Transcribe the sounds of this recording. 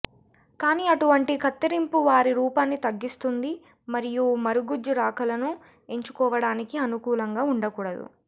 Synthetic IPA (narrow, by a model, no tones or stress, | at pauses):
kaːniːɐʈuʋɐɳʈikɐt̪ːiɾimpuʋaːɾiɾuːpaːnːit̪ɐɡːist̪und̪i | mɐɾijumɐɾuɡud͡ʒːuɾaːkɐlɐnu | e̞ɲt͡ʃu̥kɔːʋɐɽaːnikiɐnukuːlɐŋɡaːuɳɖɐkuːɽɐd̪ṵ